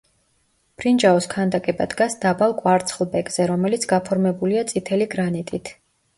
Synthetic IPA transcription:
pʰɾind͡ʒaɔskʰand̪akʼɛbad̪ɡasd̪abalˠkʼwaɾt̪sʰʼχlˠbɛkʼz̥ɛɾɔmɛlit̪sʰɡapʰɔɾmɛbuliat̪sʼit̪ʰɛliɡɾanit̪ʼit̪ʰ

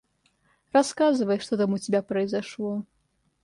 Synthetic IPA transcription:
raskazɨvɐjʂt̪ɔt̪amut͡sʲabʲapɾɐjzaʂlˠɔ

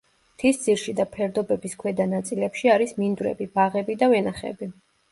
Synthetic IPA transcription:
t̪ʰisd̪z̥iɾʃid̪apʰɛɾd̪ɔbɛbiskʰwɛd̪anat̪sʼilɛpʃiaɾismind̪wɾɛ̰bib̥aʁɛbid̪avɛnaχɛ̰bi

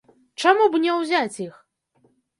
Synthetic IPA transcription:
t͡ʂamubnʲɛwzʲat͡sʲix

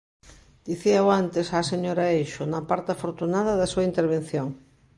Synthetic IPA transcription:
d̪̥iθiaoant̪esaseɲoɾaejʃonapaɾt̪afoɾt̪unaðaðasuaint̪eɾβ̞ẽn̟θjoŋ

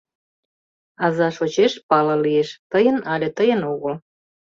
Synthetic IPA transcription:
ɑzɑʃot͡ɕeʃpɑlɑ̆lieʃt̪əjə̆nɑlʲet̪əjə̆noɣəl

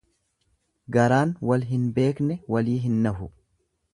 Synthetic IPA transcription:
ɡɐɾaːnwɐlɦɪnbe̞ːknɛwɐliːɦɪnːɐɦʊ

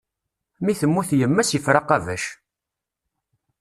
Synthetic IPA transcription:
miθəmːuθjəmːæsjəfɾɑqævæʃ

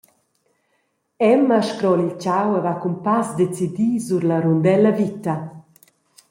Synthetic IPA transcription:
ɛmaʃkɾɔlilt͡ʃawɛvakumpasd̪et͡sid̪izuɾlaɾund̪ɛlɐvit̪ɐ

